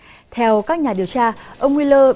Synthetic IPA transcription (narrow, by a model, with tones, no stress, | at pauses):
t̪ʰɛ˧wkaː˦˥k̚ɲaː˨˩ɗi˨˩əwt͡ɕaː˧ʔə˧wŋ͡mŋwi˧ləː˧